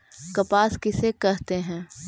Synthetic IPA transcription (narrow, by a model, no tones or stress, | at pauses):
kɐpaːskɪsekɛɦt̪eɦɛ̃ː